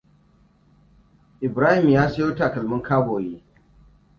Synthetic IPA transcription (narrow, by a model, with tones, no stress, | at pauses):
ʔɪ˨bɾaː˦hɪ˨mjaː˦sɐ˦joː˦taː˨kɐ˨lmʊ˦ŋkʰaː˦boː˨jeː˦